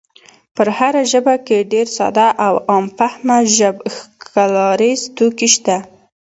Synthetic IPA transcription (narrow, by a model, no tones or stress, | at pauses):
pəɾhaɾaʒəbakeɖeɾsa̰d̪ɑʔawɑmfahmaʒəbxkʰalɑɾizt̪ukiʃt̪a